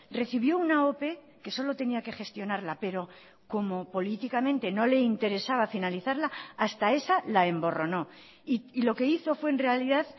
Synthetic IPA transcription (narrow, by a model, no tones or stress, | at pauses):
re̞θiβ̞jo̞unao̞pe̞ | ke̞so̞lo̞t̪e̞niake̞χe̞st̪jo̞naɾlape̞ɾo̞ | ko̞mo̞po̞lit̪ikamẽ̞nt̪e̞no̞le̞int̪e̞ɾe̞saβ̞afinaliθaɾlaːst̪ae̞salae̞mbo̞ro̞no̞ | iilo̞ke̞iθo̞fwe̞ːnre̞aliðað